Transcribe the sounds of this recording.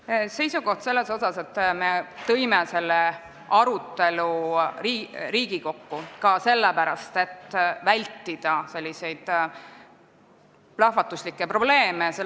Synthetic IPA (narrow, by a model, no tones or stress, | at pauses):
se̞jsuɡo̞ht̪se̞lːe̞so̞sɑse̞t̪ːˑme̞t̪ɤ̞jmese̞lːe | ɑɾut̪ːˑe̞luririːɡ̥iko̞kːukɑse̞lːepæɾɑst̪e̞t̪ːˑvælʲt̪ːid̪̥ɑse̞lʲːise̞jd̪̥ | plɑhvɑt̪ːˑuslikːˑepro̞ble̞ːmese